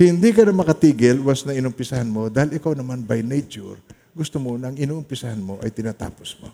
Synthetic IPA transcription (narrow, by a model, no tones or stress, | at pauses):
hhɪnd̪ikɐnɐmɐkɐt̪iːɡɪlwɐsnɐŋɪnʊmpɪsɐhanmo̞d̪aːhɪlɪkawnɐmanbajnɛjt͡ʃʊ̰ɾ | ɡʊst̪omonɐɐŋɪnuːʔʊmpɪsɐhanmo̞ʔɐ̰jt̪ɪnaːt̪a̰ːposmo̰